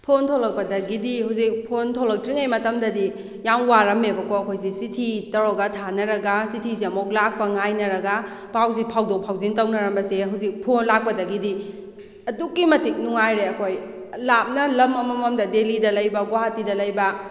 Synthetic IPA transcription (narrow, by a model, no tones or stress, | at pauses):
pʰontʰolɐk̚pɐdɐɡidiɦawzik̚pʰontʰolɐk̚tɾiŋɐjmɐtɐmdɐdi | jaŋwaɾɐmebɐkoɐkʰojsisitʰitɐɾoɡɐtʰanɐɾɐɡɐsitʰiziɐmok̚lak̚pɐŋajnɐɾɐɡɐ | paws̬ipʰawdok̚pʰawzintɐwnɐɾɐmbɐseɦuwzik̚pʰonlak̚pɐdɐɡidi | ɐdukːimɐtik̚nuŋajɾeɐkʰoj | lap̚nɐlɐmɐmɐmɐmdɐdelidɐlɐjbɐɡwaɦatidɐlɐjbɐ